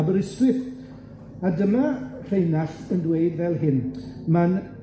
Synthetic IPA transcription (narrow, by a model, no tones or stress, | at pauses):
bəɾɪstwɪθ | adəmar̥ejnaɬəndweɨdvɛlˠɦɪnman